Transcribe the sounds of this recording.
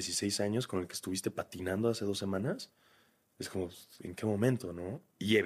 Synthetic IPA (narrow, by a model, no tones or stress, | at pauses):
esise̞jsaɲo̞sko̞nelkee̥st̪uβist̪e̞pat̪inãnd̪oase̞ðo̞sːemãnas | esko̞mo̞ḛŋke̞mõ̞mẽnt̪o̞no̞ | iʝe